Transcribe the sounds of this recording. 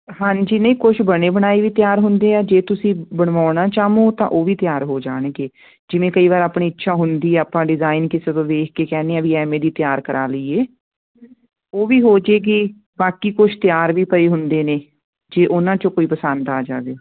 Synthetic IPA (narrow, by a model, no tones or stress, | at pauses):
hãːɲd͡ʒiːnəĩːkʊʃbəɽ̃eːbəɽ̃aːiːʋiːt̪ɪjaːɾɦʊnd̪eːaːd͡ʒeːt̪ʊsĩːbəɽ̃ʋaːɳaːt͡ʃaːmõːt̪ã̰ːʔoːʋiːt̪ɪjaːɾɦoːd͡ʒa̰ːɽ̃eɡeː | d͡ʒɪʋẽːkəiːʋaːɾaːpɳiːɪtːʃʰaːɦʊnd̪iːɛaːpãːɖɪzaːɪnkɪseːt̪õːd̪eːkʰkeːkɛːneːãːʋiːɛːmẽːd̪iːt̪ɪjaːɾkəɾʔa̰ːləiːeː | oːʋiːɦoːd͡ʒeːɡiː | baːkiːkʊʃʰt̪ɪjaːɾʋiːpəeːɦʊnd̪eːneː | d͡ʒeːʔʊnãːt͡ʃõːkoːiːpəsənd̪aːd͡ʒa̰ːʋeː